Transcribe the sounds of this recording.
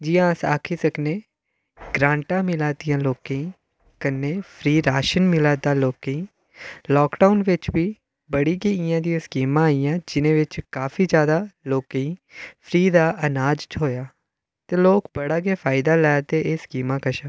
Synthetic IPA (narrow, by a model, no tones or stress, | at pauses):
d͡ʒijãːəsa̰ːkʰiːsəkneː | ɡɾãːɳʈãːmɪlaːd̪ijãːloːkẽiː | kənːeːpʰɾiːɾaːʃənmɪlaːd̪aːloːkeiː | lɔːkɖaʊnʋɪt͡ʃʋiː | bəɽiːɡeːɪjãːd̪ijãːskiːmãːijãːd͡ʒɪnẽːʋɪt͡ʃkaːfʰiːd͡ʒjaːd̪aːloːkeĩːpʰɾiːd̪aːʔənaːd͡ʒt͡ʃɦoːjaː | t̪eːloːkbəɽaːɡeːpʰaːɪd̪aːlɛːat̪eːeːskiːmãːkəʃaː